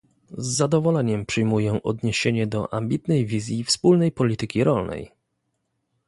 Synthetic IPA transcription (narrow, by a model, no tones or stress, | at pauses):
zːad̪ɔvɔlɛɲɛmpʂɨjmujɛʔɔd̪ɲeɕeɲɛd̪ɔ̰ʔambʲit̪nɛjvʲizʲjifspulnɛjpɔlʲit̪ɘkʲiɾɔlnɛ̰j